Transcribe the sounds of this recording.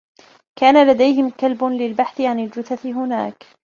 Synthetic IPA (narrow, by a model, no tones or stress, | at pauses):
kaːnalad̪ajɦɪmkalbʊlɪlbaħθɪʕanɪld͡ʒʊθaθɪɦʊna̰ːk